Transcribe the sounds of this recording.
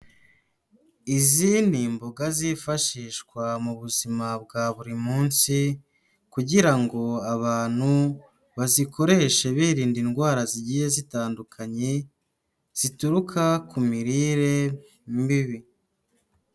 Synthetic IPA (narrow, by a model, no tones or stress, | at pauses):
iziːnimboɡazifaʃiːʃkwamuβuzimab̚ɡaβuɾimuːnsi | kuɟiɾaŋɡo̞aβaːn̥hu | βazikʰo̞ɾe̞ʃe̞βiːɾiːndinɡwaːɾaziɟiːje̞zitaːndukʰaɲe̞ | z̥ituɾukʰakumiɾiːɾe̞ | mbiβi